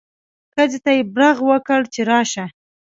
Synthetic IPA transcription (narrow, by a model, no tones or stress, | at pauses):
xəzet̪ajebɾaɣwəkəɽt͡ʃeɾɑʃa